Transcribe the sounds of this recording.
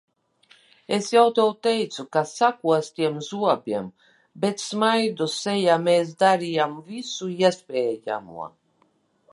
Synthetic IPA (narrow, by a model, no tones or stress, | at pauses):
esjawt̪ɛwt̪ɛjt̪sukasakuɔst̪iɛmzuɔbʲiɛm | bet̪smajd̪usɛjameːs̬d̪aɾijamvisuiɛspʲeːja̰mṵɔ